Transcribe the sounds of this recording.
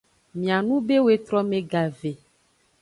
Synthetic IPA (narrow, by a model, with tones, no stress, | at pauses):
mĩ˨a˨nũ˦be˦we˨t̪ɾɔ˦mẽ˨ɡa˨ve˨